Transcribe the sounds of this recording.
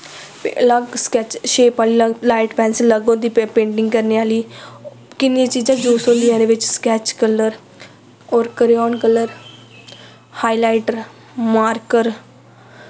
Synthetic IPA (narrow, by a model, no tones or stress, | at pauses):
ləɡskɛːt͡ʃʃeːpaːliːlaːɪʈpɛ̃ːnsləɡõːd̪iːpẽːɳʈɪ̃ŋɡkəɾneːaːliː | kɪnãːt͡ʃiːd͡ʒãːd͡ʒoːsõːliãːɾeːʋɪt͡ʃskɛːt͡ʃkələɾ | ɔːɾkəɾiɔːnkəlːəɾ | haːilaːɪʈəɾ | maːɾkəɾ